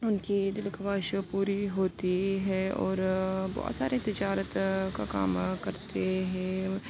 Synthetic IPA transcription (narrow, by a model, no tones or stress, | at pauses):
ʊnkid̪ɪlkʰɐbaːʃpuːɾiɦoːt̪iɦɛɔ̰ːɾbɔ̰ːt̪sa̰ːɾet̪ɪd͡ʒaːɾət̪kaka̰ːmkɐɾt̪eɦɛ̃